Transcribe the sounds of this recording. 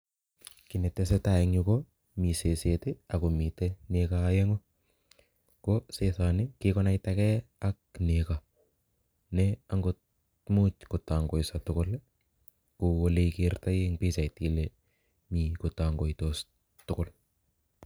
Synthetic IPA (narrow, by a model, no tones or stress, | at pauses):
kinetːes̬etaeŋuko | miseseteakomitenekajeŋo | kosesanɪkɪkɔnajtakɛak̚neka | nɛaŋɡo | mut͡ʃkotaŋɡojsatʊkʊl | kowoleikirtajeŋpisajtile | mikotaŋɡoitos | tʊkʊl